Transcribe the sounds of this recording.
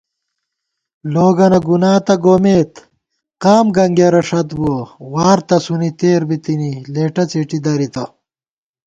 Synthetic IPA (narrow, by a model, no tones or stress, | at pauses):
loːɡɐnɐɡunaːt̪ɐɡoːmeːt̪ | qaːmɡɐŋɡeɾɐʂɐt̪buɐwaːɾt̪ɐsunit̪eːɾbit̪inileːʈɐt͡seʈid̪ɐɾit̪ɐ